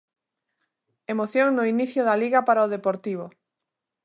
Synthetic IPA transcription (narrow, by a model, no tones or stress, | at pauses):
emoθjoŋnʊiniθjʊðaliɣapaɾaoð̞epoɾt̪iβ̞o